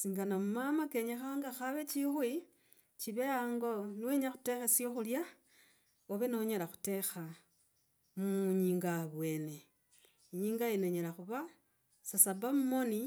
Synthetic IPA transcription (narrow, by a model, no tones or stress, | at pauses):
siːŋɡanamumamake̞ɲexaŋɡaxaβe̞t͡ʃixwi | t͡ʃiβeaːŋɡo̞nweɲaxu̥te̞xesioxulja | oβeno̞ɲelaxu̥te̞xa | muɲiːŋɡaβwe̞ːne̞ | iɲiːŋɡaineɲelaxuβa | sasabamumo̞ni